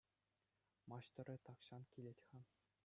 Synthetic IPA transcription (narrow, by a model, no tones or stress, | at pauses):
mɑɕt̪ɤ̆ɾʲɘ̆t̪ɑkɕɑnkʲilʲetʲχɑm